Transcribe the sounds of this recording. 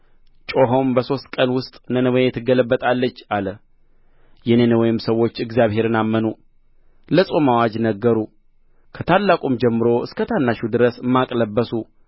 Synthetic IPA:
t͡ʃʼo̞ɦo̞mbəso̞st̪̚kʼənwʊst̪ʼnənəwoɛt̪ʰːɨɡələbːət̪ʼalːət͡ʃːalə | jɛnenəwɔjɪmsəwːo̞t͡ʃːɨɡzijaβhe̞ɾɨnamːənu | ləsʼomawad͡ʒnəɡːəɾu | kʰət̪ʰalːakʼumd͡ʒɛmːɨɾo̞ʔɨskʰət̪ʰanːaʃud̪ɨɾəsɨmːakʼləbːəsu

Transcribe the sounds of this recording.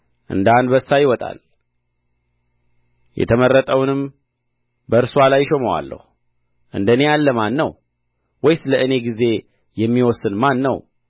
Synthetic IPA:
ʔɨ̰nd̪and̪bəsːajɪwɔt̪ʼa̰l | jɛ̰t̪ʰəmərːət̪ʼəwnɨm | bəɨɾswalajːʃoməwa̰lːə̰hu | ʔɨnd̪əne̞jalːəmanːəw | wɔjsɨləɨne̞ɡize̞ | jɛmːiwɔsːɨnmanːə̰w

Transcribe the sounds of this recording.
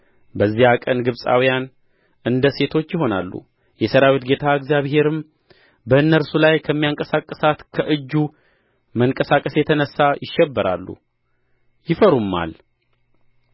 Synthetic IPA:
bəzːihakʼənɡɨβsʼa̰wijan | ʔɨnd̪əse̞t̪ʰo̞t͡ʃːjɪɦo̞na̰lːṵ | jɛsəɾawit̪ɡe̞t̪ʰaɨɡzjaβhe̞ɾɨm | bəɨnːəɾsulajkʰəmːijaŋkʼəsakʼːəsat̪kʰəʔɨd͡ʒːu | məŋkʼəsakʼəsjɛt̪ʰənəsːajɪʃːɛbːəɾa̰lːṵ | jɪfəɾumːa̰l

